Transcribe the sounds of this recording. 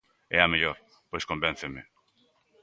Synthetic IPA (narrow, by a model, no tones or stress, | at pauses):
ɛameʎoɾ | pojskõmbẽn̟θeme